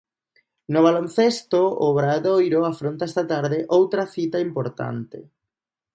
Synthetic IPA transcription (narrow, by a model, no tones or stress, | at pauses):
nʊβ̞alonθest̪oo̰βɾaðojɾoafɾont̪aɛst̪at̪aɾðeʔowt̪ɾɐθit̪aimpoɾt̪a̰nt̪ɪ̰